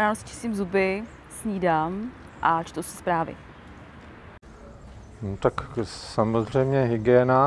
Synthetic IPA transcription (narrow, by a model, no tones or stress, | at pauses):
aːnosɪ̥t͡ʃɪ̥st̪iːmzubɪ | sɲiːdam | ʔat͡ʃt̪owsɛ̥spɾaːvɪ̰ | nt̪aksamozr̝ɛjmɲɛɦɪɡɛːna